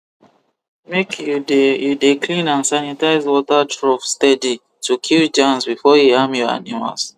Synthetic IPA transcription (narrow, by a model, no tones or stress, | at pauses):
mekʰjudjudekʰlĩnãnsanitaɪzwɔtatɹɔfstɛdi | tukʰild͡ʒãnsbifɔjihãmjɔa̰nima̰ls